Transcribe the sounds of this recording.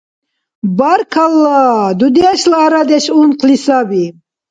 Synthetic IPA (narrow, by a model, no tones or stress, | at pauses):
baɾkʰalːad̪ud̪ɛʃlaɾad̪ɛʃunqʰlisabi